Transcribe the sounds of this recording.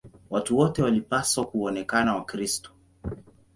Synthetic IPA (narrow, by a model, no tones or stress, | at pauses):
watuwɔtɛwalipaswakuɔnɛkanawakɾistɔ̥